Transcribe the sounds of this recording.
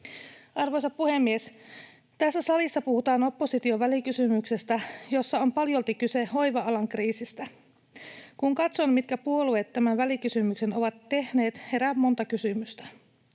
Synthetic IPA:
ɑrʋojsɑppuhe̞mːie̞s | t̪æsːæsɑlisːɑpuhut̪ɑːno̞pːo̞sit̪io̞ʋælikysymykse̞st̪æjo̞sːɑo̞mpɑljo̞lt̪ikyseho̞jʋɑɑlɑŋkriːsist̪æ | kuŋkɑt̪sonmit̪kæpuo̞luet̪ːæmænʋælikysymykse̞no̞ʋɑt̪ːe̞hne̞ːt̪he̞ɾæmːo̞nt̪ɑkysymyst̪æ

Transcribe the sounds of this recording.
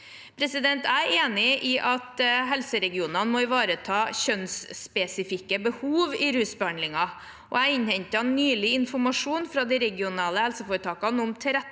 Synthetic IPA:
pʰɾɛsɪd̪ɛnt̪æeːnɪʔɪʔɑt̪ɦɛlsəɾɛɡɪuːnɑnmɔɪʋɑːɾət̪ʰɑːɕœnsspɛsɪfɪkːəbəhuːʋɪɾʉːsbəhɑnd̪lɪŋɑ | ʔɔ̰æɪnhɛɲt̪əɑnnːyːlɪɪnfɔɾmɑʂuːnfɾɑd̪ɛɾɛɡɪʊnɑːləhɛlsəfoːɾət̪ʰɑːkɑnʊmt̪ʰɛɾɛ

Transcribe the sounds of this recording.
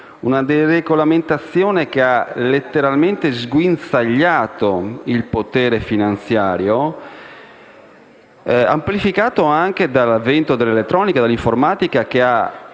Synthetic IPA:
unad̪ɛreɡolament̪at̪sːjɔːnek̟ealet̪ːeɾalmɛnt̪ezɡwinsaʎːaːt̪oilpot̪ɛːɾefinant̪sjaːɾjo | a̰mplifikaːt̪oaŋk̟ed̪alavɛnt̪od̪elːelet̪ːɾɔːnikad̪alːiɱfoɾmaːt̪ikak̟ea

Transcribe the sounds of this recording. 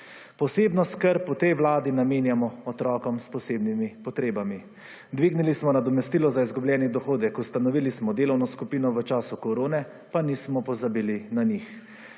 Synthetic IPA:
pɔseːbnɔskəɾpːɔt̪ɛjʋlaːd̪inameːnjamɔɔt̪ɾɔːkɔmspɔseːbnimipɔt̪ɾeːbami | d̪ʋiːɡnilismɔnad̪ɔmɛst̪iːlɔzaizɡubljɛːnid̪ɔxoːd̪ɛkust̪anɔʋiːlismɔd̪eːlɔwnɔskupiːnɔʋət͡ʃaːsukɔɾoːnɛ | panismɔpɔzabiːlinanix

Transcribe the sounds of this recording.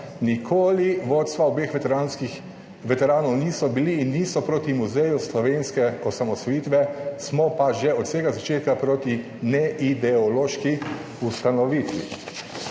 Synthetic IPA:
nikʰoːliʋoːt̪st̪ʋaɔbeːxi | ʋɛt̪ɛɾaːnɔwniːsɔbiliːnːiːsɔpɾoːt̪imuzɛjuslɔʋeːnskɛɔsamɔsɔjiːt̪ʋɛsmɔpaʒɛɔt̪seːɡazat͡ʃeːt̪̚kapɾoːt̪i | nɛʔid̪ɛɔloːʃki | ust̪anɔʋit̪ʋḭ

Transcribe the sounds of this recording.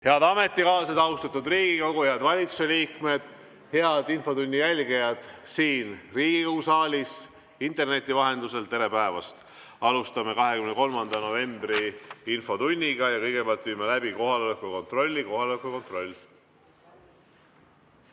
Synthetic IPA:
he̞ɑd̪̥ɑme̞t̪ːˑikɑːlsed̪ɑust̪ɑt̪ud̪riːɡ̥iko̞ɡueɑd̪vɑlʲit̪suseliːkme̞d̪̥ | he̞ɑd̪̥info̞t̪unʲːijælʲɡijɑd̪̥siːnriːɡ̥ikɤwsɑːlʲis | int̪ˑe̞rne̞t̪ːˑivɑɦe̞nd̪use̞lt̪ːe̞ɾe̞pæevɑst̪ | ɑlust̪ɑme̞kɑɦe̞kymneko̞lmɑnd̪̥ɑno̞ve̞mb̥riinfo̞t̪unʲːiɡ̥ɑjɑkɤ̞jɡ̥e̞peɑlt̪viːmelæb̥iko̞ɦɑlolekːˑuko̞nt̪ro̞lʲːiko̞ɦɑlolekːuko̞nt̪ro̞lʲː

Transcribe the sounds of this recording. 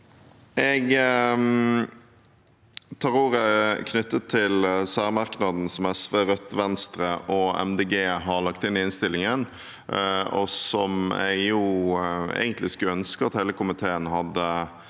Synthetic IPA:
ʔɛɡ | t̪ʰɑɾuːɾəkʰnʏt̪ːət̪ʰːɪlsæːɾmɑɾknɑd̪n̩sɔmɛsʋeːɾœt̪ːʋɛnst̪ɾəʔɔɛ̰md̪eːɡeːɦɑʁlɑkt̪ɪnːɪɪnst̪ɪlɪŋən | ɔ̰sɔmɛ̰ɡju | ḛːɡənt̪lɪskʉœnskəɑt̪hɛɪləkʊmɪt̪ʰeːənɦɑd̪ːə

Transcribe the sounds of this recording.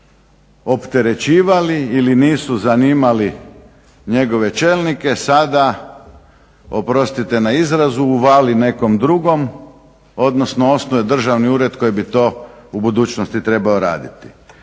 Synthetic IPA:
o̞pt̪eɾe̞t͡ɕiːʋaliiliniːsuzaniːmali | ɲe̞ɡo̞ʋe̞t͡ʃeːlˠnike̞sad̪a | o̞pɾo̞st̪it̪e̞naizɾazuːʋaːline̞ko̞md̪ɾuɡo̞m | o̞d̪nosnoo̞snoʋed̪r̩ʒaʋniuːɾe̞d̪ko̞jibit̪o̞ːubud̪uːt͡ʃnost̪it̪ɾe̞baoɾa̰ːd̪it̪i̥

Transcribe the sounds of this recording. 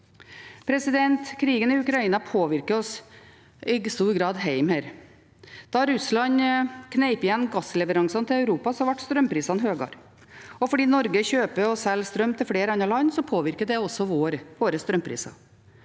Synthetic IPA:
pʰɾɛsɪd̪ɛnt̪kʰɾiːɡənɪʉkɾɑiːnɑpʰoːʋɪɾkəɾɔs | ɪst̪uːɾɡɾɑːd̪ɦæɪmhæːɾ | d̪̥ɑɾʉslɑɲkʰnɛɪpɪjɛnːɡɑslɛʋəɾɑŋsɑnt̪ʰɪlɑʉɾuːpɑsɔhɑɾʋæʈːst̪ɾœmpʰɾiːsɑnɦøːɡɑ̰ɾ | ɔfɔɖiːnɔɾɡəçøːpəɔsɛlst̪ɾœmt̪ʰɪlfleːɾɑnɑlɑnːsɔpʰoːʋɪɾkəd̪ɛɔsːɔʋoːɾʋoːɾəst̪ɾœmpʰɾḭːsɑ̰

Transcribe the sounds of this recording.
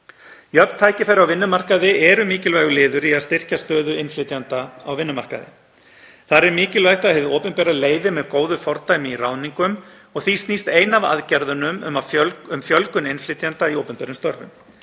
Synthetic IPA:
jœpnt̪ʰaːjcɪfɛɾawvɪnːʏmar̥kaðɪʔɛɾʏmiːcɪlvaːjɣʏlɪːðʏɾiaðst̪ɪr̥cast̪œːðʏɪnflɪːt̪jant̪aawvɪnːʏmar̥ka̰ðɪ̰ | θaɾɛɾmɪːcɪlvajt̪aðhɪvðoːwpʏnpɛːɾaleːjðɪmɛðkoːwðʏfɔɾt̪ajmɪirawniŋkʏm | ɔɣθist̪nist̪ejnava̰ðcɛɾðʏnʏmʏmaʏmfjœlkʏnɪnflɪt̪jant̪aiowpʏnpɛːɾʏmst̪œɾvʏ̰m

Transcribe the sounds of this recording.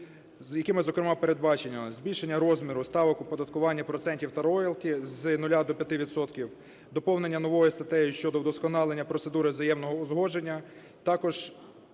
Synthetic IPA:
zjɐkɪmɪzɔkɾemɑpe̞ɾed̪bɑt͡ʃenʲːɐzbʲilʲʃenʲːɐɾɔzmʲiɾʊst̪ɑʋɔkʊpɔd̪ɐt̪̚kʊʋɑnʲːɐpɾɔt̪sɛnʲtʲiwt̪ɐɾɔjɛlˠkʲiznʊlʲad̪ɔpʲjɐt̪ɪʋʲid̪sɔt̪kʲiw | d̪ɔpɔwne̞nʲːɐnɔʋɔjist̪ɐt̪ɛjiʃt͡ʃɔd̪ɔwd̪ɔskɔnɑlˠenʲːɐpɾɔtsed̪uɾɪzɐjɛmnɔɦɔːzɦɔd͡ʒenʲːɐ | t̪ɑkɔʒ̥

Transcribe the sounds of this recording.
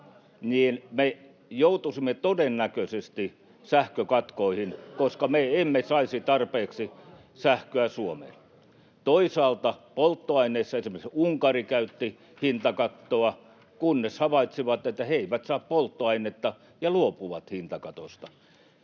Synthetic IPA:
niːnme | jout̪usimːet̪odenːækøsest̪i | sæhkøkɑt̪koihinkoskɑmeemːesɑisit̪ɑrpeːksi | sæhkøæsuomḛl | t̪oisɑːlt̪ɑpolt̪ːoɑineːsːɑesimːæikseuŋkɑrikæyt̪ːi | hint̪ɑkɑt̪ːoɑ | kunːeshɑʋɑit̪siʋɑt̪et̪ːæheiʋæt̪sɑːppolt̪ːoɑinet̪ːɑ | jɑluopuʋɑt̪hint̪ɑkɑt̪ost̪ɑ

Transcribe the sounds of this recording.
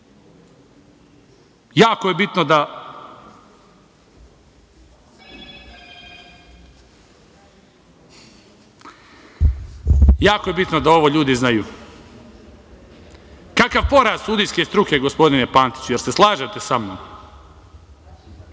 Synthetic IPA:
jaːkoje̞bit̪no̞d̪a | jaːkoje̞bit̪no̞d̪ao̞ʋo̞ʎuːd̪iznajuː | kakaʋpo̞ɾaːzsuːd̪ijske̞ːst̪ɾuke̞ɡo̞spo̞d̪inepaːnt̪i̥t͡ɕuje̞ɾseslˠaːʒat̪e̞samno̰m

